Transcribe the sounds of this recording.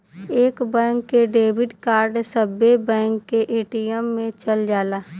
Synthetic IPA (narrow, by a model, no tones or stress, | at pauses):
eːkbɛ̃ːŋkːeɖeːbɪɖkaːɾɖsəbːebɛ̃ːŋkːeʔeːʈijɛmːẽt͡ʃəld͡ʒaːlaː